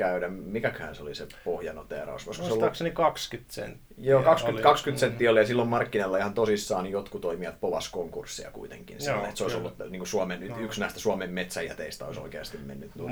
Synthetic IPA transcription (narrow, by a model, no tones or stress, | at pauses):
kæyɾæmmikækøhæ̰nseolisepohjɑno̰t̪eɑ̰rɑ̰osʋoiskoseolːɑksnikɑkskyt̪sḛnt̪ː | joːkɑkskykɑkskyt̪sent̪ːiːolijɑsilːommɑrkːinelːɑehɑnt̪osisːɑːnjot̪kut̪oimiɑt̪̚poʋɑ̰skoŋkursːiɑ̰kṵit̪ḛŋkḭnsil̰ːet̪seoisolːut̪niːŋkusuɑmennyt̪yksnæˑist̪æsuɑmemmet̪sæjjæ̰t̪eist̪æo̰iso̰ikeɑst̪immḛnːyt̪nu